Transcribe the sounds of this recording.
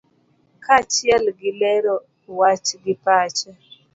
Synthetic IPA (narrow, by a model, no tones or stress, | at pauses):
kat͡ʃɪɛlɡɪlɛɾɔ | wat͡ʃɡɪpat͡ʃa